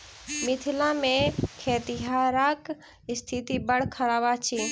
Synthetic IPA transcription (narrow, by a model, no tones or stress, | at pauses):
mɪt̪ʰɪlãmẽkʰeːt̪ɪɦaːɾak | ɪst̪ʰit̪ibəɽ̤kʰəɾaːʋat͡ʃʰiː